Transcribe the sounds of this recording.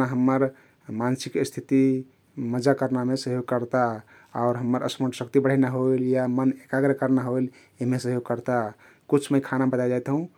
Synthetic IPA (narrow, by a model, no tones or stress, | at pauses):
aɦəmːəɾ | mansikst̪ʰit̪i | məd͡ʒakəɾnamesəɦjoɡ̚kəɾt̪a | ɔʊɾɦəmːəɾə̰səməʈsəkt̪ibəɽ̤ənaɦoiljamənekaɡɾəkəɾnaɦoil | emesəɦjoɡ̚kəɾt̪a | kut͡ʃʰmejkʰanabət̪ad͡ʒaet̪ɦũ